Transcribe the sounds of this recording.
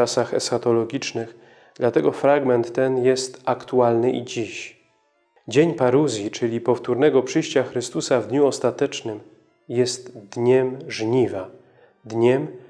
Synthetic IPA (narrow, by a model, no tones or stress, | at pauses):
asaxɛ̰sxat̪ɔlɔɡʲit͡ʂnɘx | d̪̥lat̪ɛɡɔfɾaɡmɛnt̪ːɛnjɛst̪akt̪ualnɘʔḭd͡ʑiɕ | d͡ʑeɲpaɾuzʲjit͡ʂɘlʲipɔft̪uɾnɛɡɔpʂɘjɕt͡ɕaxɾɘst̪usavd̪ɲuɔst̪at̪ɛt͡ʂnɘm | jɛst̪d̪ɲɛmʐɲiva | d̪ɲɛm